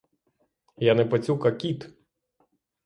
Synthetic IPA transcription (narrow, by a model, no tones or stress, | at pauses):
janɛpɐt͡sʲukɐkʲit̪